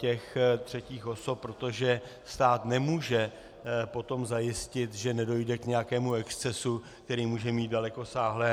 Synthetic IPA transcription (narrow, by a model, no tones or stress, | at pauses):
ɛxt̪r̝̥ɛciːxʔo̞sop̚pːɾo̞t̪o̞ʒɛ | st̪aːt̪nɛmuːʒɛ | po̞t̪o̞mzajɪscɪt̪ʒɛnɛdo̞jdɛkɲɛjakɛːmuɛkst͡sɛsuk̚t̪ɛɾiːmuːʒɛmiːt̪̚dalɛko̞saːɦlɛː